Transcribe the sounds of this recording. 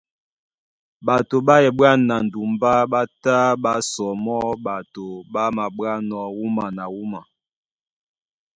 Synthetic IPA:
ba˨to˨ɓa˦jɛ˨bwa˦˨na˨n˨du˨mba˦ɓa˦ta˦ɓa˦sɔ˨mɔ˦ba˨to˨ɓa˦ma˨bwa˦nɔ˨wu˦ma˨na˨wu˦ma˨

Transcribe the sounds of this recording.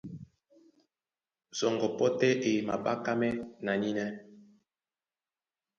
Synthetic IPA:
zɔ˨ŋɡɔ˨pɔ˦tɛ˦ʔe˨ma̰˨ɓa˦ka˦mɛ˦na˨ɲi˦nɛ˦

